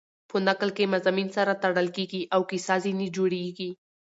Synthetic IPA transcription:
pənaklkemazaminsaɾat̪aɽəlkeɡiʔawkisɑzinid͡ʒoɽeɡi

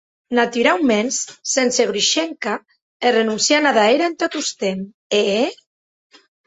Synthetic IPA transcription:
nat̪yɾawmenssenseɣɾiʃeŋka | erenunsjanaðaeɾaent̪ot̪ust̪em | e

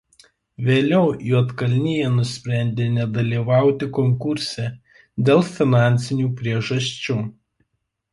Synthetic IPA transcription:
ʋʲeːlʲɛʊjuɔt̪kɐlʲnʲɪjɛnʊsʲpʲɾʲæˑnʲd̪ʲeːnʲɛd̪ɐlʲiːʋɑˑʊt̪ʲɪkɔŋkʊɾʲsʲɛ | d̪ʲeːlˠfʲɪnɑˑnʲt̪sʲɪnʲuːpʲɾʲiɛʒɐsʲt͡ʃʲuː

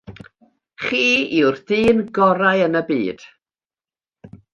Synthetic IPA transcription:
χiːiwrdiːnɡɔɾajənəbiːd̥

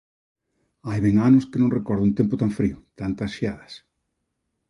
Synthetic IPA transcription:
ajβeŋanʊskɪnõŋrekɔɾðʊunt̪empʊt̪aɱfɾiʊt̪ant̪asʃiaðɐs

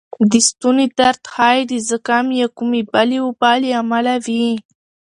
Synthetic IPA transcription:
d̪ist̪uned̪aɾt̪xɑjd̪izəkamjakumebaliwubɑliamalavi

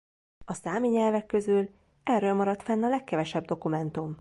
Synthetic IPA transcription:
ɒsaːmiɲɛlvɛkːø̞zyl | ɛrːølmɒɾɒt̪fɛnːɒlɛkːɛvɛʃɛb̚d̪o̞kumɛnt̪um

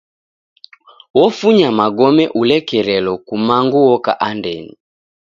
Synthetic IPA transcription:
wɔfuɲamaɡɔmɛʔulɛkɛɾɛlɔkumaŋɡuwɔkaʔandɛni

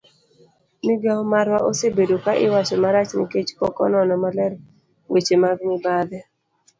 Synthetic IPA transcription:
mɪɡaɔmaɾwaʔosebedokaʔɪwat͡ʃɔmaɾat͡ʃnɪ̰ket͡ʃkɔ̰kɔ̰nɔnɔmalɛɾ | wet͡ʃemaɡnɪbad̪ɛ

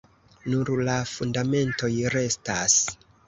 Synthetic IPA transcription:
nuɾlafundame̞nto̞jɾe̞stas

